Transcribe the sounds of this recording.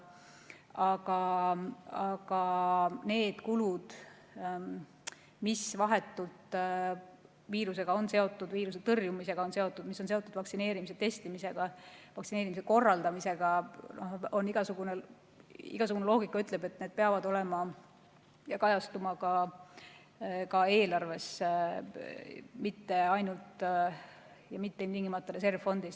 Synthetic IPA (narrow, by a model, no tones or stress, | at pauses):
ɑɡ̥ɑ | ɑɡ̥ɑne̞ːd̪̥kulud̪̥ | misvɑɦe̞t̪ːˑult̪ | viːɾus̬e̞ɡ̥ɑo̞nse̞o̞t̪ːˑud̪viːɾus̬et̪ɤrjumise̞ɡ̥ɑo̞nse̞o̞t̪ːˑud̪misːo̞nse̞o̞t̪ːˑud̪̥vɑksine̞ːɾimiset̪e̞st̪imise̞ɡ̥ɑvɑksine̞ːɾimis̬eko̞rːɑld̪̥ɑmise̞ɡ̥ɑnoho̞nːiɡ̥ɑsuɡ̥une | ḭɡ̥ɑsuɡ̥unelo̞ːɡ̥ikːˑɑyt̪ˑle̞be̞t̪ːne̞ːd̪̥̚peɑvɑd̪o̞le̞mɑ | jɑkɑjɑst̪umɑkɑ | kɑe̞ːlɑrve̞s | mit̪ːe̞ɑjnult̪ | jɑmit̪ːeimt̪iŋɡimɑt̪ːˑɑɾe̞s̬e̞rvfo̞nd̪is